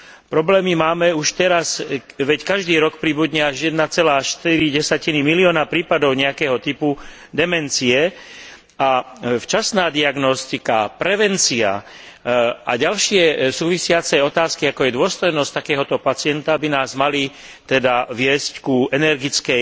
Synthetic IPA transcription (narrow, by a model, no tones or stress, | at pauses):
pɾɔblɛːmimaːmɛuʃt̪ɛɾasʋɛckaʒd̪iːɾɔkpɾiːbud̪ɲɛaʒjɛd̪nat͡sɛlaːʃt̪iɾiɟɛsacinimiliɔːnapɾiːpad̪ɔʊɲɛjakɛːɦɔt̪ipu | d̪ɛmɛnt͡siɛ | aft͡ʃasnaːd̪iaɡnɔst̪ikapɾɛʋɛnt͡sia̰ | ʔa̰ɟalʃɪɛsuːʋisɪat͡sɛjɔt̪aːskiakɔjɛd̪ʊɔst̪ɔjnɔsct̪akɛːɦɔt̪ɔpat͡sɪɛnt̪abinaːzmali | t̪ɛd̪aʋɪɛsckuɛnɛɾɡit͡skɛ